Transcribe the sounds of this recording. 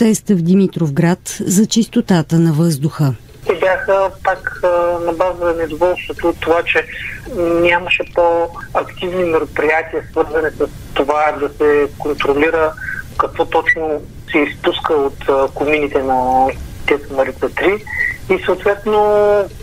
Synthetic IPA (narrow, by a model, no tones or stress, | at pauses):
sɛst̪əvd̪imit̪ɾovɡɾat̪zɐt͡ʃist̪ot̪at̪ənɐvɤzd̪ʊxə | t̪ɛbjaxəpaknɐbazəzɐnɛd̪ovɔlˠst̪vot̪ot̪ːovat͡ʃɛ | nʲaməʃɛpoɐkt̪ivnimɛɾopɾijat̪iəsvɤɾzənɛsəst̪ovad̪ɐsɛkont̪ɾoliɾəkɐkvɔt̪ɔt͡ʃno | sɛispuskəot̪kʊminit̪ɛnɐt̪ɛsmɐɾiɛt̪ɾiisəoːt̪vɛt̪no